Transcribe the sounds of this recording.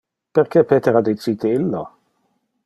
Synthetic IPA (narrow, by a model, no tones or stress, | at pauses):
pɛɾkɛpeːt̪eɾad̪it͡siːt̪ilːo